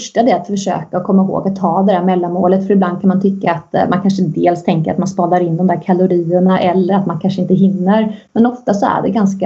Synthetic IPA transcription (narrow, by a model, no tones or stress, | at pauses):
ʂʈad̪ɛat̪fœʂø̰ːkaɔkʰɔmːaɦo̰ːɡat̪ʰːɑːd̪ɛd̪æːɾmɛlːanmoːlət̪fœɾɪbland̪kʰanmant̪ʰʏkːaːt̪mʔa̰nkʰanʂəd̪eːlst̪ʰɛŋkəɾat̪manspɑːlaɾɪnːd̪ɔmd̪æːɾkʰalʊɾiːəɳaʔɛlːəɾat̪mankʰanʂəɪnt̪əɦɪnːəɾmɛnɔft̪asɔæ̰ɖɛɡanska